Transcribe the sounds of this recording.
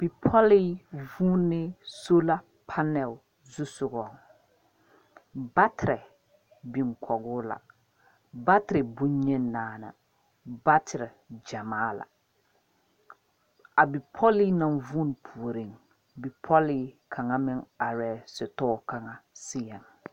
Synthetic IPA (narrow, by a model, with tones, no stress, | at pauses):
b̥i˨pʰɔ˦lɪ˦vuː˦nɪ˦so˦la˦ | pʰa˦nɛ˨l | zu˦sʊ˨ɣɔ˨ŋ | ba˦tɪ˨ɾɪ˨ | bɪ˨ŋkʰɔ˨ɡʊː˦la̰˨ | ba˦tɪ˨ɾɪ˨bu˦ɲ˦ɲɛ˦nː˦aː˦na̰˨ | ba˦tʰɪ˨ɾɪ˨ | d͡ʒa˨maː˦la̰˨ | a˨bi˨pʰɔ˦li˦nã˨nvu˦n˨pʰu˨o˨ɾi˨ŋ | bi˨pʰɔ˦lɪ˦kʰa˨ŋa˦mɪ˦ŋa˨ɾɛː˨sɪ˨tɔː˦˨ka˨ŋa˨sɪ˦jɛ˨ŋ